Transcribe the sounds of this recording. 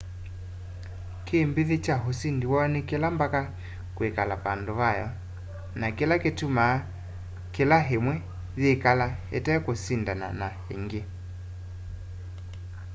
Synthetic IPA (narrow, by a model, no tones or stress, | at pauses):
kʰeːmbiðet͡ʃaɦosindiwanɛkelambaka | kwekalapandoβajɔ | nakelaketumaː | kelaɦemwɛ | ðeːkalahɛ̰tɛkosindana̰nahḛŋɡe